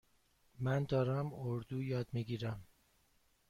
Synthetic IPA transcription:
mænd̪ɒːɾæmoɾd̪uːjɒːd̪miɡiːɾæm

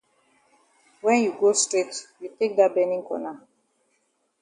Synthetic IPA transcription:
wɛ̃njuɡostɹetjutek̚dat̚bɛ̃nĩŋkɔ̰na

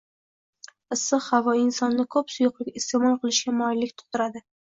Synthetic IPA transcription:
ɨsɨhavɒɪnsɒnːɪkʰɵpsʊjʊqlˠɪkʲɪst̪emɒlˠqʰɨlˠɪʃɡʲamɒɪlːɪkʲt̪ʰʊ̥qt̪ʊɾad̪ɪ

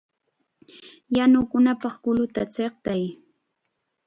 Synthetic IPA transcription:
janʊkʊnapɑχkʊlʊt̪at͡seχt̪aj

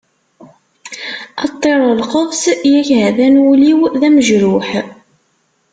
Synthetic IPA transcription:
ɑt̪ˤːeɾˤəlqəðˤsjæçhæðænwuliwðæməʒɾʊħ

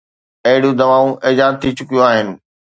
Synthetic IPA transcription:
ɐɦɪɽijõd̪ɐʋaːũʔɪːd͡ʑaːzt̪ʰit͡ɕʊkijõaːɦɪnɪ̆

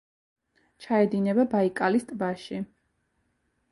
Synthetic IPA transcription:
t͡ʃʰaɛd̪inɛbabaikʼalist̪ʼbaʃi

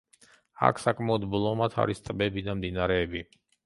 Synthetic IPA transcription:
a̰kʰsakʼmaɔd̪blˠɔmat̪ʰa̰ɾist̪ʼbɛbid̪amd̪inaɾɛːbi

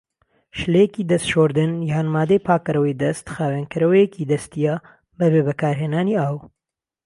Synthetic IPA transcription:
ʃlejɛkid̪ɐst̪ʃoːɾd̪ɨnjaːnmaːd̪ejpʰaːkɐɾɐwijd̪ɐst̪xaːwenkɨɾɐwɐjekid̪ɐst̪ija | bɐβeːβɐkaːɾɦeːnaːniaːw

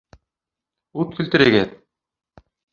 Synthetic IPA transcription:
ut̪̚kʰɵ̆lt̪ɘ̆ɾeɡet̪̚

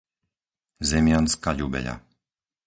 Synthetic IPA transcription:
zɛmɪanskaʎubɛ̰ʎa̰

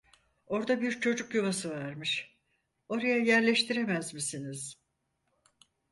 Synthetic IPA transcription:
o̞ɾd̪abiɾt͡ʃʰo̞d͡ʒukjuβasɯvaɾmɯʃ | o̞ɾajajæɾlʲɛʃt̪ʰiɾe̞mæzmisiniz̥

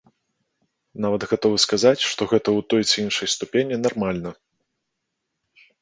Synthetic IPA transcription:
navɐd̪ɣat̪ɔvɨskazat͡sʲʂt̪ɔɣɛt̪ɐwt̪ɔjt͡sɨinʂɐjst̪upʲenʲinarmalʲnɐ

